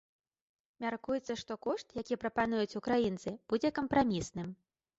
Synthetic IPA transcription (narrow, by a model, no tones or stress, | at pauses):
mʲarkujɛt̪sːɐʂt̪ɔkɔʂt̪jakʲipɾɐpanujut͡sʲukɾajint̪sɨb̥ud͡zʲɛkɐmpɾamʲisnɨm